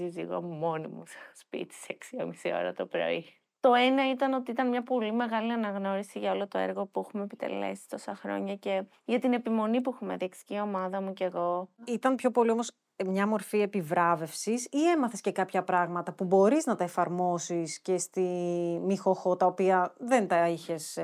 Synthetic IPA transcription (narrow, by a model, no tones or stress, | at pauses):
izḭɣo̰monḭmusspḭt̪i̥seksiomisio̞̰ɾɐ̰t̪o̞pɾo̞̰i | t̪o̞e̞nɐit̪ɐno̞t̪iit̪ɐnmɲɐpo̞lime̞ɣɐliɐnɐɣno̞ɾisiʝɐo̞lot̪o̞eɾɣo̞puexumepit̪e̞̰lḛsi̥t̪o̞sɐxɾo̞̰ɲɐce̞ | ʝɐt̪ine̞pimo̞nipuexumeðiksi̥cio̞mɐðɐmuce̞ɣo̞it̪ɐnpçopo̞liomo̞s | mɲɐmo̞ɾfie̞pivɾɐve̞fsisie̞mɐθe̞sce̞kɐpçɐpɾɐɣmɐt̪ɐpubo̞ɾiznɐt̪ɐefɐɾmo̞sisce̞st̪imixoxo̞t̪ɐopiɐðe̞nt̪ɐiçe̞s